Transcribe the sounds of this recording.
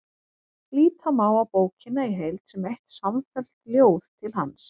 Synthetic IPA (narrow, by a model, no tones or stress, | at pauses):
liːt̪ʰamaːwapoːwcɪnaiɦejlt̪sɛmejht̪saɱfɛl̥t̪ljoːwθt̪ʰɪlɦa̰ns